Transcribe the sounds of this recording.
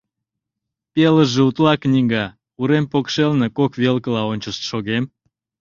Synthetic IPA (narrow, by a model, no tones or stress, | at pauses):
peləʒeut̪lɑknʲiŋɡɑ | uɾempokʃelnekokβelkəlɑonʲt͡ɕəʃt̪ʃoɣem